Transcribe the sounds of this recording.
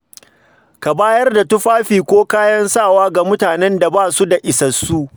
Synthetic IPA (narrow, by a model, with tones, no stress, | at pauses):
ka˨baː˦jɐ˦rda˨tʊ˦ɸaː˦ɸiː˨kʷoː˦kaː˦jɐ˦nsaː˦˨waː˦ɡa˨mʊ˦taː˨nɛ˦nda˨baː˦˨su˦da˨ʔɪ˨sɐ˨sːu˦ʔ